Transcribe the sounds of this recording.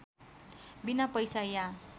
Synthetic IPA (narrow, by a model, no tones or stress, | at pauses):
binapʌjsaja